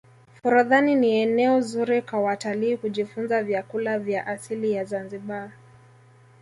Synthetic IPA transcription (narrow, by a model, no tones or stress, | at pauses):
fuɾuðaniniɛnɛɔzuɾikwawataliːkuʄifunzavjakulavjaʔasilijazanziɓa